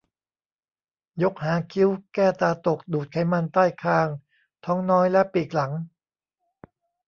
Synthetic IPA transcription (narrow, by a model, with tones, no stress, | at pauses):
jo˦˥k̚haː˩˦kʰi˦˥wkɛː˥˩t̪aː˧t̪o˨˩k̚duː˨˩t̪̚kʰa˨˩˦jma˧nt̪aː˥˩jkʰaː˧ŋ | t̪ʰɔː˦˥ŋnɔː˦˥jlɛ˦˥ʔpiː˨˩k̚la˩˦ŋ